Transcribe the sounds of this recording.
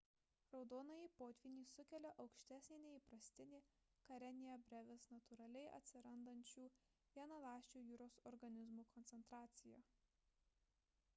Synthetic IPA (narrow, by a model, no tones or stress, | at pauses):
ɾɒʊd̪oːnɐjiːpoːt̪ʲʋʲɪnʲiːsʊkʲɛlʲɛʔɒʊkʃʲt̪ʲæsʲnʲeːnʲɛiːpɾɐsʲt̪ʲɪnʲɪ | kɐɾʲɛnʲejɛbʲɾʲɛʋʲɛsnɐt̪ʊɾɐlʲɛɪʔɐ̰t̪ʲsʲɪɾɐnd̪ɐnʲt͡ʃʲuː | ʋʲiɛnɐlˠɑːʃʲt͡ʃʲuːjuːɾoːsɔɾɡɐnʲɪzmuːkʰɔnʲt̪ʲɛnt̪ɾɑːt̪sʲɪjoː